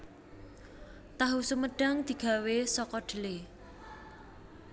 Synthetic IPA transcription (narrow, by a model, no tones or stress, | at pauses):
t̪aɦusuməɖ̥aŋd̪̥i̤ɡ̥a̤wesɔkɔɖ̥ə̤le